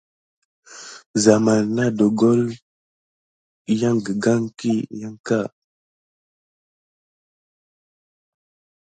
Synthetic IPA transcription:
za˨ma˨lna˦do˨ɡo˦l | ja˦ŋɡə˨ɡa˦ŋki˦ja˦ŋka˦˨

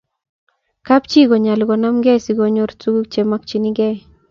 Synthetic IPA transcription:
ka˦p̚t͡ʃi˦ɡo˨ɲa˨lɡɔ˨na˦mɡɛ˦si˨ɡo˨ɲo˦ɾt͡su˦ɡu˦k̚t͡ʃe˨mak̚t͡ʃi˦niɡɛ˦j

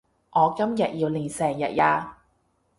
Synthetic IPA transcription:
ʔɔː˨˧kɐ˥mjɐ˨t̚jiː˧wliː˨˩nsɛː˨˩ŋjɐ̰˨t̚jaː˧

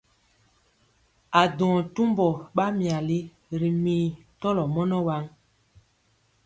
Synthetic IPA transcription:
a˨dɔ̃˨tu˦mbɔ˨ɓa˦mĩ˨a˨li˦ | ɾi˨mĩː˨ | tɔ˦lɔ˨mɔ˦nɔ˦wa˦ŋ

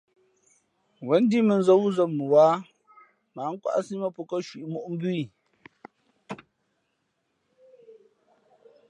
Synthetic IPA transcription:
wɛ˨˦n˦di˦mə˨n̩˦zə˦wu˦zəː˨ə˨waː˦ | ma˨˦ŋ̩˦kwa̰˦ʔsi˦mə˦pu˨kə˦ʃwi˨ʔmu˦ʔm̩˦bʉ˦i˦˨

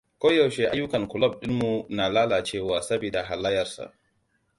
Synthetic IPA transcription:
kʷoː˦jɐ˨wʃe˦ʔa˦jːʊ˦kɐ˨ŋkʊ˨lɐ˦˨b̚ɗɪ˦nmu˨naː˨laː˦laː˨t͡ʃeː˦˨waː˨sɐ˦biː˨da˨ɦa˨la˦jɐ˨rsa̰˨ʔ

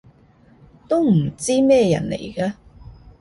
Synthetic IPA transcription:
t̪o˥wm̩˨˩t͡siː˥mɛː˥˧jɐ̰˨˩nlḛ˨˩jkaː˧

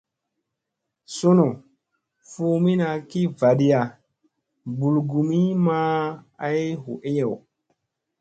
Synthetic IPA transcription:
so˦no˨ | fu˦mi˦na˨ki˦va˨ɗi˦ja˨ | bu˨lɡu˨mi˦ma˦a˦jɦṵ˨ʔe˦ja˨w

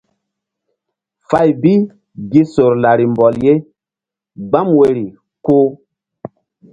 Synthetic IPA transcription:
fa˦˨jbi˦ | ɡi˦so˨ɾla˨ɾi˨m˨bɔ˨lje˦ | ɡ͡ba˦mwe˨ɾi˨ | ko˦

